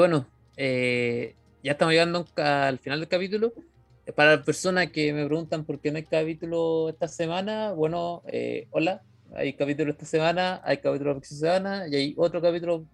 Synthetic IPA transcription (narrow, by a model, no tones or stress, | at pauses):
weno | e | ʝaeht̪amoʝjeɣand̪oŋkaːlfinald̪elkapit̪ulo | paɾapeɾso̞nakemepɾe̞ɣunt̪ampo̞ɾkenoajkapit̪uloest̪asemanaβwe̞noḛola | a̰jkapit̪̬uloet̪asemanaʔa̰jkapit̪ulopeksis̬emanaiajot̪ɾokapit̪ulo